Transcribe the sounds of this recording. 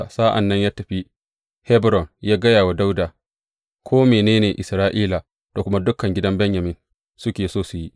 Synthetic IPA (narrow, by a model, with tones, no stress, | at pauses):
sa˦ʔa̰˨nːɐ˦ɲjaː˦tɐ˨ɸi˦ | hɛ˦bɾɔ˨njaː˦ɡɐ˦jaː˨wa˨da˦wdaː˨ | kʰʷoː˦meː˨neː˦neː˨ʔɪ˨sɾaː˦ʔiː˦la˨ | ta˨kʷʊ˦ma˦dʊ˦kːɐ˨ŋɡʲɪ˦dɐ˦mbɛ˦ɲjɐ˨mɪ˦n | sʊ˦kʲeː˨soː˦su˨ji˦ʔ